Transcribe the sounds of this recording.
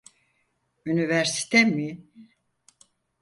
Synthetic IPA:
ynivæɾsi̥t̪ʰɛmi

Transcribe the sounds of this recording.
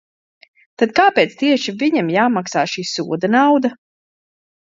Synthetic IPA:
t̪ad̪kaːpeːt̪st̪iɛʃiviɲamjaːmaksaːʃiːsuɔd̪anawd̪a

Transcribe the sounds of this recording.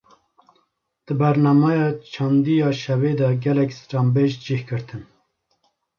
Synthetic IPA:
d̪̥ɨbɛɾnɑːmɑjɑːt͡ʃʰɑːnd̪ijɑːʃɛveːd̪ɛɡɛlɛkstɑːmbeʒd͡ʒihkɨɾt̪ʰɨn

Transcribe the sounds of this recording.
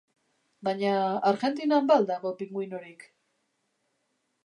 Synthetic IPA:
baɲaːɾɣe̞nt̪inambald̪aɣo̞piŋɡujno̞ɾik

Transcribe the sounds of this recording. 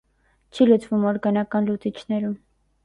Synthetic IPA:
t͡ʃʰilut͡svumɔɾɡɑnɑkɑnlut͡sit͡ʃʰnɛɾum

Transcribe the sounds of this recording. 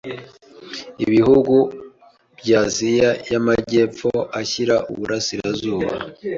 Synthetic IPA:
iβiɦuɡu | bɟaːzijajamaɟe̞ːpp͡foaçiɾaʔṵβuɾasiɾazuːβa̰

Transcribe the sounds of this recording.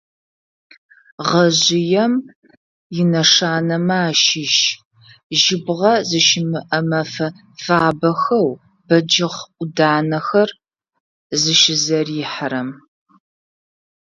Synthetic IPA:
ʁɐʑɪjɛm | jɪnɐʂaːnɐmaːʃɪʃ | ʒɪbʁɐzɨʃɪmɨʔɐmɐfɐ | faːbɐxɐw | b̥ɐd͡ʒɪʁʷʊdaːnɐxɐr | zɨʃɪzɐriħaɾɐm

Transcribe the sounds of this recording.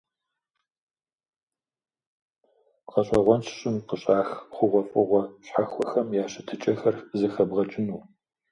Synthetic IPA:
qɐɕʼɐʁʷɔnt͡ʃʰɕʼɪmqəɕʼaːxχʷʊʁʷɔfʼɨʁʷɔɕħaxʷɔxɐmjaːɕɪtʰɨt͡ʃʼɐxɐrzɨxɐbʁɐt͡ʃʼɪnuː

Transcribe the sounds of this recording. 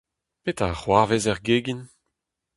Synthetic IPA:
pet̪aʁwaʁvezɛʁɡeɡin

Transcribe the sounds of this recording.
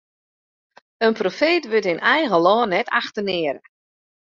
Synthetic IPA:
ənprofeːtʋøtɪnʔɛjɣəlɔːnːɛtʰaxtənɪəɾə̰

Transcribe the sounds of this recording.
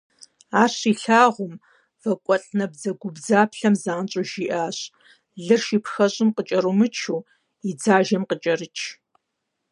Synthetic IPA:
aːɕiːɬaːʁʷʊm | vɐkʷʼɔɬʼnɐbzɐɡʷʊbzaːpʰɬɐmzaːnt͡ʃʼʊʒiʔaːɕ | ɮɨrʃiːpxɐɕʼɪmqət͡ʃʼɐɾumɨt͡ʃʰuː | id͡zaːʒɐmqət͡ʃʼɐrɨt͡ʃʰ

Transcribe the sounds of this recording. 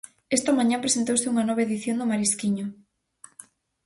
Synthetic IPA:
ɛst̪ɐmãɲãmpɾesent̪owsɪuŋɐnɔβ̞aeðiθjond̪ʊmaɾiskiɲʊ

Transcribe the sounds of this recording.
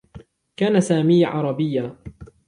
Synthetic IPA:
kaːnasaːmiːʕɑ̰ɾˤɑbɪjːaː

